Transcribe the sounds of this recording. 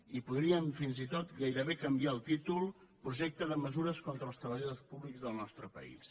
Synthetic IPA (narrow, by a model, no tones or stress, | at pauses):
ipuðɾiəɱfinzit̪ot̪ɡajɾəβekəmbiaəlˠt̪it̪ulˠpɾuʒɛk̚t̪əðəməzuɾəskont̪ɾəlˠst̪ɾəβəʎəðospuβlikzðəlˠnɔst̪ɾəpə̰ḭs